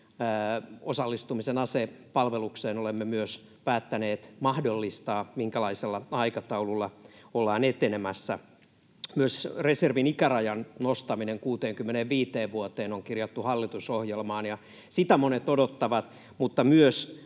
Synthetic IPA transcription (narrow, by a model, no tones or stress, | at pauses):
osɑlːist̪umisenɑsepɑlʋelukseːnolemːemyøs | pæːt̪ːæneːt̪mɑhdolːist̪ɑːmiŋkælɑiselːɑɑikɑt̪ɑululːɑolːɑːnet̪enemæsːæ | myøsreserʋinikærɑjɑnnost̪ɑmineŋkuːt̪eːŋkymːeneʋʋiːt̪eːʋʋuot̪eːnoŋkirjɑt̪ːuhɑlːit̪usohjelmɑːnjɑ | sit̪æmonet̪odot̪ːɑʋɑt̪ | mut̪ːɑmyøs